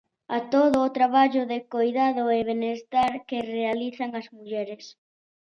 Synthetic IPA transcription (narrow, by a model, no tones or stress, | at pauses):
at̪oðʊːt̪ɾaβaʎʊðɪkojðaðʊeβenest̪aɾkɪrealiθaŋɐzmuʎɛɾɪs